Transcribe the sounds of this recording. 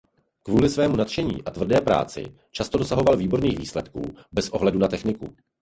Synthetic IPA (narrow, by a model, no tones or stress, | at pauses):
kvuːlɪsvɛːmunat̪ʃɛɲḭːʔat̪vr̩dɛːpɾa̰ːt͡sɪ̰ | t͡ʃast̪odo̞saɦo̞valviːbo̞ɾniːxviːslɛt̪kṵːbɛsʔo̞ɦlɛdunat̪ɛxnɪkṵ